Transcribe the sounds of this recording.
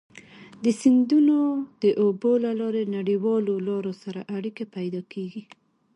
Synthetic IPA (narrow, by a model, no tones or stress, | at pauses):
d̪əsind̪unod̪əʔobolalɑɾenaɽiwɑlolɑɾosaɾaʔaɽikepajd̪ɑkʰeɡi